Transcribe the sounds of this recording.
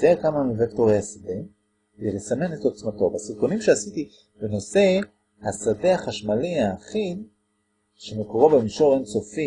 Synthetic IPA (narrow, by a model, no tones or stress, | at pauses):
ekamanvektoʁejhasade | eʁesame̞netot͡smato̞basiʁkonimʃeasiti | beno̞se̞ | hasadeaχaʃmaliaːχin | ʃemekoʁobemiʃo̞ʁenso̞fi